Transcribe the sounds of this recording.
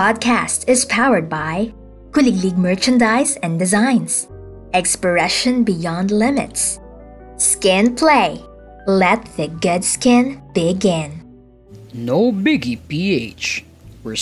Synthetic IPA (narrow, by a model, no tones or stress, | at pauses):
pɑd̚kʰæstɪzpʰaʊwə˞d̪̚baɪ | kʊlɪŋliɡ̚mɜɹt͡ʃɨ̃ndaɪsɛ̃ndɨzãɪ̃ns | ɛkspə˞ɛʃə̃nbɪjɑ̃nd̪lɪ̃mɪ̰t̪s | skɪ̃npʰleɪ | lɛt̪̚ðɨɡʊdskɪ̃nb̥ɪɡɪ̃n | noʊbɪɡipieɪt͡ʃ | wə˞